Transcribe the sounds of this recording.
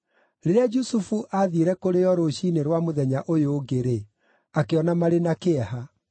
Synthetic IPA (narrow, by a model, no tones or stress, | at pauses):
ɾeɾead͡ʒusufuʔaðiɾɛkoɾejɔɾoɕineɾwamoðɛɲaʔojoːɡeɾe | akeɔnamaɾenakeɛha